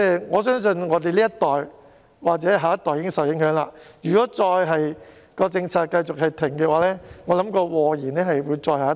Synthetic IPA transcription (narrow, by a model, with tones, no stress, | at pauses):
t͡sɛ˥ŋɔː˨˧s̬œː˥ŋs̬ɵ˧nŋɔː˨˧t̪e˨jliː˥ɐ˥t̪ɔː˨j | waː˨k̚t͡sɛː˨˥ɦaː˨˧jɐ˥t̪ɔː˨jiː˨˦ɪ˥ŋsɐ˨t̚jɪ˨˥ŋhɦœː˨˥ŋla̰ː˧jyː˨kɔː˨˥t͡sɔː˧jɦɐ˨j | kɔː˧t͡sɪ˧ŋt͡sʰaː˧t̚kɐ˧jt͡sʊ˨k̚hɐ˨jt̪ʰɪ˨˩ŋkɛː˧waː˨˧˥lɛː˥ŋɔː˨˧lɐ˨˥mkɔː˧wɔː˨˧jiː˨˩nɛː˥hɐ˨jwuː˨˧jt͡sɔː˧jɦaː˨˦˥